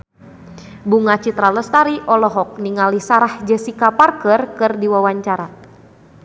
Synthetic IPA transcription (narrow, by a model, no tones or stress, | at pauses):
buŋat͡ʃit̪ɾaləst̪aɾiʔɔlɔɦɔk̚niŋalisaɾahd͡ʒɛsikaparkərkɨrdiwawaɲt͡ʃaɾa